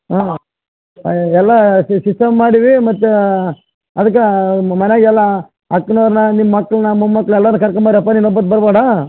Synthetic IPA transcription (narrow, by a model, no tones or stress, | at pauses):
aː | ɛlːɐsisɐmːaːɽiʋimɐt̪ːu | ɐd̪ɐkːemɐneaːɡɛlːɐ | ɐkːɐnɐʋɾnɐnimːɐmɐkːɐɭnɐmumːɐkːɐɭɛlːɐːnɐkɐɾɐkɐmːaːɽiɐpːaninɔbːɐt̪̚bɐɾbaːɽa